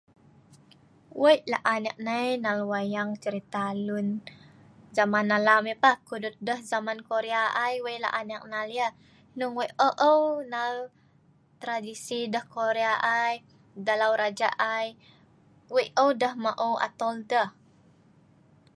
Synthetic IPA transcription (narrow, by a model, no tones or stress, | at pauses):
wəjla̰ʔanak̚najnalwajaŋt͡ʃəɾit̪alun | zamanːalamipakudʊt̪̚dəhzamankoɾeaʔajwəjʔla̰ʔanak̚naljə | nuŋwəjʔəʔəwnal | t̪ɾadisidəhkoɾeaʔaj | dalawɾad͡ʒaʔaj | wəjʔəwdəhmaʔowʔa̰t̪ɔldəh